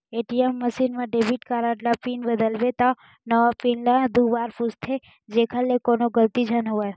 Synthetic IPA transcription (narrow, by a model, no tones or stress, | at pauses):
eʈiemːəsinmãɖebʱiʈkaɾaʈlapinbəd̪əlʋet̪a | nəʋapinlad̪ʱuʋaɾpust̪ʰe | d͡ʒekʰalːekonoɡəlt̪id͡ʒʱanɦəʋaj